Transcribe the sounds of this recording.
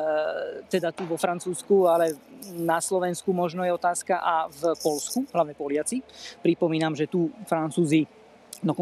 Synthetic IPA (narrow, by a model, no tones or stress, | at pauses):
t̪ɛd̪at̪uʋɔfɾant͡suːskualɛnaslɔʋɛnskumɔʒnɔjɛɔt̪aːskaʔavpɔlskuɦlaʋɲɛpɔlɪat͡sipɾipɔmiːnamʒɛt̪ufɾant͡suːzi | d̪ɔkɔ